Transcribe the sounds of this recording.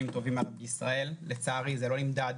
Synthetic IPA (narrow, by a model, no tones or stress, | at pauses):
imt̪o̞vimalbissʁae̞lːet͡saːʁizelo̞lnimd̪ad̪